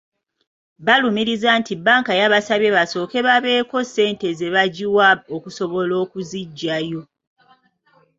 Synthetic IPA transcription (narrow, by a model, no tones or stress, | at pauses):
βalumiɾizantibaːŋkajaβasaβjeβaso̞ːke̞βaβe̞ːko̞se̞ːnte̞ze̞βaɟiwaokuso̞βo̞lo̞ːkuziɟːajo̞